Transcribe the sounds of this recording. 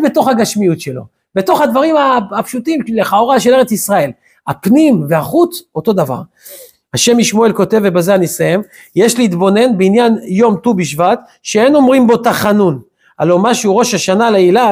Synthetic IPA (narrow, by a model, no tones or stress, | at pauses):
be̞t̪o̞χaɡaʃmijutʃe̞lo̞̰ | be̞to̞χhad̪vaʁimaapʃut̪imleχaoʁaʃe̞le̞e̞t͡sisʁae̞l | ha̰pnimveaχut͡so̞t̪o̞d̪ava̰ʁ | haʃe̞miʃmo̞e̞lko̞t̪e̞vebazeanisaje̞m | jeʃliːt̪bo̞ne̞nbeinjanjo̞mt̪ubiʃvat̪ | ʃeeno̞mʁimbo̞t̪aχanun | a̰lomaʃuʁo̞ʃaʃanaleila